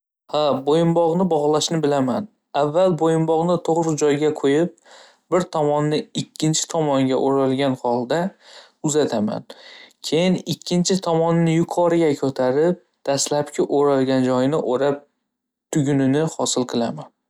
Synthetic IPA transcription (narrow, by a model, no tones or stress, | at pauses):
habojɪmbɒʁnɪbɒʁlˠaʃnɪbɪlaman | avːalˠbojɪmbɒʁnɪt̪ʰoʁɾɪd͡ʒɒjɡʲakʰojɪp̚ | bɪɾt̪ʰɒmɒnːɪɪkʲʰːɪnt͡ʃʰɪ̥t̪ʰɒmɒŋɡʲaʔoɾalˠɡʲanhɒlˠd̪a | ʊzat̪ʰama̰nkʲʰe̞jɪnɪkʲʰːɪnt͡ʃʰɪt̪ʰɒmɒnːɪjʊqʰɒɾɪɡʲakʲʰɵt̪ʰaɾɪp̚ | d̪̥aslapkʲʰɪʔoɾalˠɡʲand͡ʒɒjnɪʔoɾap̚ | t̪ʰʊɡʲʊnɪnɪhɒsɪlˠqʰɨlˠaman